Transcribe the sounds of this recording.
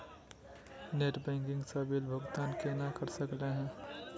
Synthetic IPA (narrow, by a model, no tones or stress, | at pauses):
neːʈbɛ̃ːŋkɪ̃ŋɡsabilbʱəɡt̪aːnkenakəɾsəkleɦɛ̃ː